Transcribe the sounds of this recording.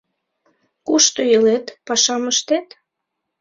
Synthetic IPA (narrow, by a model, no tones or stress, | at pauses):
kuʃt̪ojəlet̪pɑʃɑməʃt̪et̪